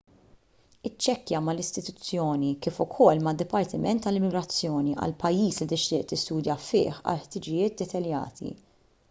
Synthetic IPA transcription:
ɪt͡ʃːɛkːjɐmɐlɪst̪ɪt̪ʊt͡sːjɔːnikɪːfʊkʰɔlːmɐd̪ːɪpɐɾt̪ɪmɛnt̪ːɐlɪmɪɡɾɐt͡sːjɔːniʔɐ̰lpɐjːiːslit̪ɪʃt̪ɪːʔt̪ɪst̪uːd̪jɐfɪ̰ːħɐ̰lħt̪ɪd͡ʒɪjɪːt̪̚d̪ɛt̪ɐljɐ̰ːt̪ḭ

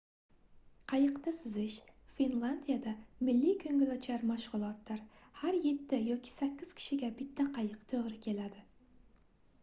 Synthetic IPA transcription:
qʰɑjəqt̪ɑsyzɪʃfinlˠand̪ijɛd̪ɑmɪlːikʲʰøŋɡʲɪlɑt͡ʃʰæɾmɑʃʁʊlˠɑt̪ːɨɾhæɾjet̪ʰːɪjɔkʲʰi̥sɛkʲːɪz̥kʲʰi̥ʃɪɡʲɛbɪt̪ːɛqʰɑjəqt̪ʰøʁɾɪkʲʰelæd̪ɪ

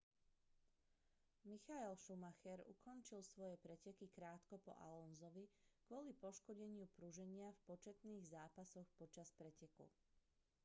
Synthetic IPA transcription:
mixaɛlʃumaxɛɾṵkʰɔnt͡ʃilsʋɔjɛpɾɛcɛkikɾaːt̪kɔpɔ̰ʔa̰lɔnzɔʋikʊɔlipɔʃkɔɟɛɲɪupɾuʒɛɲɪafpɔt͡ʃɛt̪niːɣzaːpasɔxpɔt͡ʃaspɾɛcɛkṵ

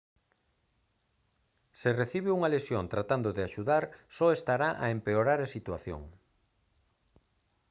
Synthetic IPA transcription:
sereθiβeuŋalesjont̪ɾat̪and̪oðeaʃuðaɾsɔest̪aɾaʔa̰empeoɾaɾasit̪waθjo̰ŋ

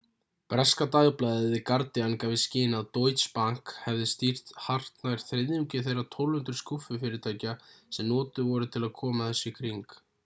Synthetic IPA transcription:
pɾɛskat̪aːɣplajðɪðɪkaɾt̪ɪankavɪscɪːnaðt̪owjt̪spaŋ̥khɛvðɪst̪ir̥t̪har̥t̪najɾ̥θɾeðʏmcɪθejrːat̪ʰowlhʏnt̪ɾʏ̥skufʏfɪɾɪɾt̪ʰaːjcasɛmnɔːt̪ʏvɔɾʏt̪ʰɪlaðkʰɔːmaθɛsːɪkʰɾiŋk

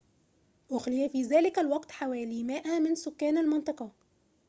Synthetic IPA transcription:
ʔʊxlɪjafiːðæːlɪkalwɑqt̪ħawæːliːmaːʔamɪnsʊkːæːnalmɑnt̪ˤɑqɑ

